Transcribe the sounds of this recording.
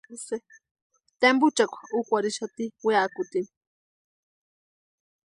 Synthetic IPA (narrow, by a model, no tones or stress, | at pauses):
se | t̪embut͡ʃakʷʰḁukʷaɾiʃat̪iweakʊt̪in